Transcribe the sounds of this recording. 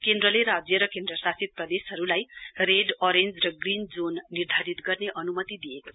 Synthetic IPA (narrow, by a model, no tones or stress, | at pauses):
kend̪rʌleɾad͡zjʌɾʌkẽnd̪rʌsasit̪̚prʌd̪esɦʌɾulajreɖʌɾend͡zrʌɡrind͡zonːird̪ʱaɾit̪ɡʌrneʔʌnumʌt̪id̪ijeko